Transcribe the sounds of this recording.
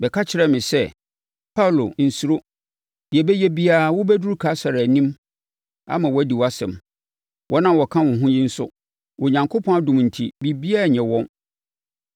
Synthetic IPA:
bɛ˨kʰa˦t͡ɕʰɪ˨ɾɛ˦˨mɪ̃˨sɛ˦ | pʰa˦˨lo˨n̩˨su˦ɾo˦ | dɪ˨ɛ˨bɛ˦jɛ˦bi˦a˦˨wʊ˦bɛ˦du˦ɾu˦kʰa˨˦sa˨ɾa˨nĩ˦m | a̰˦mã˨wɔ˦di˨wɔ˨a˦sɛ̰̃˨m | wɔ˦nã˦wɔ˨kʰã˦wɔ̃˨ɦʊ̃˦ji˦n̩˦sʊ˦ | wʔɔ˨ɲã˨ŋkʰo˦pʰɔ̃˦a˦dʊ̃˨m˨n̩˨tʰi˨bi˦bi˦a˦˨ɲɛ̃˨wɔ̃˦n

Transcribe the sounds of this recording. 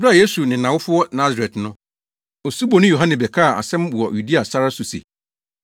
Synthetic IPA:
ba˦˨je˦su˨nɪ̃˨nã˨wʊ˦fʊ˦ɔ˦nã˦za˨ɾɛ˨tnʊ̃˦ | o˨su˦bo˨nɪ̃˦jo˨ɦã˦nɪ̃˨bɛ˨kʰa˦˨a̰˨sɛ̃˦m˨ɔ˨ju˨di˦a˨sa˦ɾa˦su˨sḛ˨

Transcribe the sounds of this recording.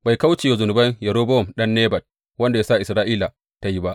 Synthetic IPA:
ba˨jka˦wt͡ʃeː˨ja˨zʊ˨nʊ˨bɐ˦ɲjɐ˨ɾoː˦bɔ˦˨mɗɐ˦nːeː˦bɐ˨d̚ | wɐ˦nda˨jaː˦sa˦˨ʔɪ˨sɾaː˦ʔiː˦la˨ | ta˦ji˦ba˦ʔ

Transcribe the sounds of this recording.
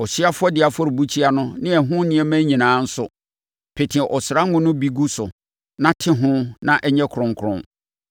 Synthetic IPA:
ɔ˨ɕi˦a˦fʊ˦ɔ˦dɪ˨a˨fɔ˦ɾbu˦t͡ɕʰi˦a˦nʊ̃˦nɪ̃˦ɛ˨ɦʊ̃˦nɪ̃˦ɛ˦mæ̃˦ɲĩ˨nãː˨˦n̩˦sʊ˦ | pʰe˨tʰɪ̃˨ʔɔ˨sɾa˦ŋʊ̃˦nʊ̃˦bi˦ɡu˦sʊ˨ | nã˦tʰɪ˦ɦʊ̃˦nã˦ʔɛ˦ɲɛ̃˦kʰʊ˨ɾʊ̃˨ŋkʰʊ˨ɾʊ̰̃˦

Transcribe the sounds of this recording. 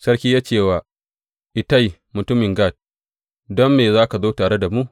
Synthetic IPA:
sɐ˦rkʲiː˦jaː˦t͡ʃeː˦˨waː˨ | ʔɪ˨ta˦˨ji˨mʊ˨tʊ˦mɪ˨ŋɡa˦˨t̚ | dɔ˦mːeː˨zaː˦ka˨zoː˦taː˨ɽe˦da˨mu˦ʔ

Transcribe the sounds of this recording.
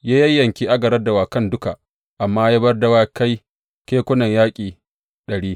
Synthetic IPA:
jaː˦jɐ˦jːɐ˨ŋkʲi˦ʔa˦ɡɐ˨ɾɐ˦rda˨waː˨kɐ˦ndʊ˦ka˨ | ʔa˨mːaː˦jaː˦bɐ˦rdɐ˦waː˦ka˦j | kʲeː˦kʷʊ˦nɐ˨ɲjaː˦kʲʼiː˨ | ɗɐ˨ɽiː˦

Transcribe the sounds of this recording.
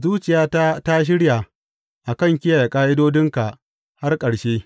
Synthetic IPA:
zuː˦t͡ʃɪ˨jaː˦ta˦ta˦ʃ̬ɪ˦ɽja˨ | ʔa˨kɐ˦˨ŋkʲɪ˦ja˨ja˨kʼaː˦ʔɪ˦doː˦dɪ˦ŋka˨ʔ | ha˦rkʼɐ˨ɽʃeː˦

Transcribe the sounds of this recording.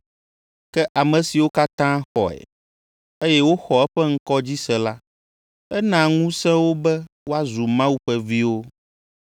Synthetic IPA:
kɛ˦ʔa˨mɛ̃˨si˨wo˦ka˦t̪ã˦xɔ̰˨ɛ̰˨ | e˦jɛ˦wo˦xɔ˨ɛ˦ɸɛ˦ŋ̩˦kɔ˦d͡ʑi˦sɛ̃˨la˦ | ɛ˦nã˨ŋũ˦sɛ̃˦wo˦bɛ˦ | wo˦a˦zu˨mã˦wu˦ɸɛ˦vi˦wo˦

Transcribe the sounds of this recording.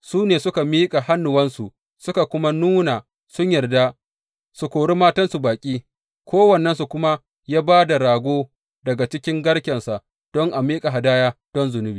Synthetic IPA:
suː˦neː˨sʊ˦ka˨miː˦kʼa˨ha˦nːʊ˨wɐ˦nsu˨ʔ | sʊ˦ka˨kʷʊ˦ma˦nuː˦na˨ | sʊ˦ɲjɐ˨rda˦ | su˨kʷoː˨ɽi˦maː˦tɐ˦nsu˨baː˨kʲʼiː˦ | kʰʷoː˦wɐ˨nːɐ˦nsu˨kʷʊ˦ma˦ | jaː˦baː˦da˨ɽaː˨ɡʷoː˦ | dɐ˨ɡa˨t͡ʃɪ˦kʲɪ˦ŋɡɐ˦ɽkʲɛ˨nsa˨ʔ | d̥ɔ˦ŋʔa˨miː˦kʼa˨ɦa˨daː˦jaː˦d̥ɔ˦nzʊ˨nʊ˦biː˨

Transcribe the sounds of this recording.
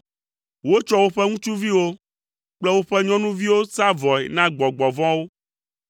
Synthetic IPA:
wo˦t͡ʃɔ˦wo˦ɸɛ˦ŋũ˦t͡ʃu˦vi˦wo˦ | k͡plɛ˦wo˦ɸɛ˦ɲɔ̃˦nũ˦vi˦wo˦sa˦vɔ˨ɛ̰˨nã˦ɡ͡bɔ˨ɡ͡bɔ˨vɔ̃˦wo˦

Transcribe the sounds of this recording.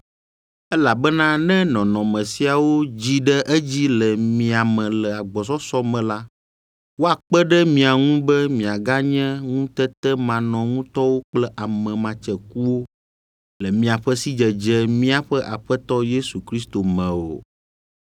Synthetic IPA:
ɛ˦la˨bɛ˦nã˦nɛ̃˦nɔ̃˨nɔ̃˨mɛ̃˨si˦a˨wo˦d͡ʑi˦ɖɛ˦ʔɛ˦d͡ʑi˦lɛ˨mĩ˨a˨mɛ̃˨lɛ˨a˨ɡ͡bɔ˨s̬ɔ˦sɔ˦mɛ̃˨la˦ | wo˦a˨k͡pɛ˦ɖɛ˦mĩ˨a˨ŋũ˦bɛ˦mĩ˨a˨ɡa˦ɲɛ̃˦ŋũ˦t̪ɛ˦t̪ɛ˦mã˨nɔ̃˨ŋũ˦t̪ɔ˦wo˦k͡plɛ˦ʔa˨mɛ̃˨mã˨t͡ʃɛ˨ku˦wo˦ | lɛ˨mĩ˨˦a˨ɸɛ˦si˦d͡ʒɛ˨d͡ʒɛ˦mĩ˦a˨ɸɛ˦ʔa˨ɸɛ˦t̪ɔ˦je˦su˨kɾi˦st̪o˨mɛ̃˨o̰o̰˨

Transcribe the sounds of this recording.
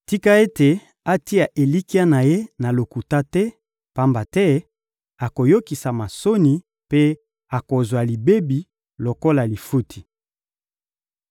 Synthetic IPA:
ti˦ka˦e˦te˨ | a˦ti˦a˨ʔe˨li˦ki˦a˦na˨je˦na˨lo˨ku˨ta˦tɛ˦ | pa˦mba˨tɛ˦ | a˨ko˨jo˦ki˨sa˨ma˨so˦ni˨ | pe˦ | a˨ko˨zwa˨li˨be˦bi˨ | lo˨ko˦la˨li˨fu˦tʰi̥˨

